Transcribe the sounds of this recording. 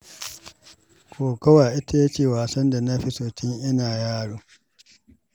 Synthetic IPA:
kʰoː˨kɐ˦waː˨ʔɪ˦ta˨je˦t͡ʃeː˦˨waː˨sɐ˦nda˨na˦ɸi˦soː˨tɪ˦ŋʔɪ˦naː˨jaː˦ɽuː˦

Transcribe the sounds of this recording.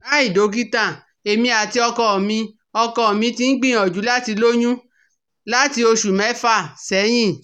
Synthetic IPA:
a˦i˦˨do˨˦ɡi˦tã˦˨ | e˨mĩ˧a˨ti˧ɔ˧kɔ˧˨mĩ˧ | ɔ˧kɔ˧ɔ˨mĩ˧ti˧n̩˦ɡ͡bĩ˦ɔ˨d͡ʒu˨˦la˦ti˧lo˦ɲũ˦ | la˦ti˧o˧ʃu˨mɛ̃˨˦fa˦˨sɛ˨˦j̃ĩ˦˨

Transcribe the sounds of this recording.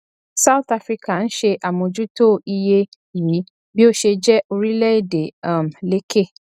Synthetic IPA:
sa˦u˦t̪a˧fɾi˦ka˨n̩˦ʃe˧ʔa˨mɔ̃˧d͡ʒu˦to˦˨i˧je˧ | jiː˨˦ | bi˦o˦ʃe˧d͡ʒɛ˦ʔo˧ɾi˦lɛ˦i˦˨de˨a˦˨m˨le˨˦ke˦˨

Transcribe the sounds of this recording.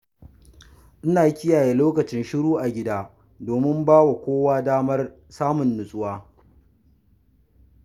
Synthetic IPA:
ʔɪ˦naː˨˦kʲɪ˦jaː˨jeː˨˦loː˦kɐ˨t͡ʃɪ˦nʃɪ˦ɽuː˦ʔa˨ɡʲɪ˦daː˦ | doː˨mɪ˦mbaː˦wa˨kʷoː˦waː˦daː˦mɐ˦r | saː˦mʊ˨nːʊ˨sʼʊ˦waː˦

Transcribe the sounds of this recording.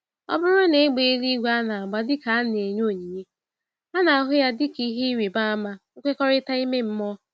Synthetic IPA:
ɔ̰˦bʊ˦ɾʊ˦ne˨e˦ɡ͡be˨e˦ɾi˦ɡʷe˦a˦na˨a˨ɡ͡ba˦dɪ˦ka˨a˦n˨e˨ɲ˦o˦˨ɲi˨ɲe˦ | a˦na˨a˨ɦʊ˦ja˦dɪ˦ki˦ɦe˦ɾe˨ba˦a˦ma˦ŋ̩˦kʷe˦kɔ˦ɾɪ˦ta˦i˦me˦m̩˦mɔ˦

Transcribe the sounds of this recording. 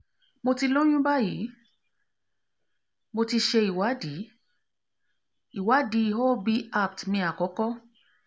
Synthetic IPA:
mo˧ti˧lõ˦j̃ũ˦ba˦ji˨˦ | mo˧ti˧ʃe˧i˨wa˨˦di˨˦ | i˨wa˨˦di˨˦i˧˨ɦo˦˨˦bi˧a˦˨p̚tmĩ˧a˨kɔ˨˦kɔ˦

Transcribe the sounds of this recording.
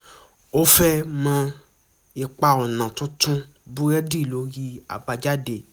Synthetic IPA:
o˦fɛ˦mã˦ | e˨k͡pa˨ɔ˨nã˨tũ˦tũ˦ | bu˦ɾɛ˦di˦˨lo˨˦ɣi˦a̰˨ba˧d͡ʒa˦de˨

